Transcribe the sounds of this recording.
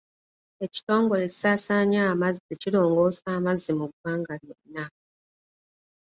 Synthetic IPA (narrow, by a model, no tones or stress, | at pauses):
e̞ci̥to̞ːŋɡo̞le̞ci̥saːsaːɲaːmazicilo̞ːŋɡo̞ːsaːmazːimuɡwaːŋɡaljonna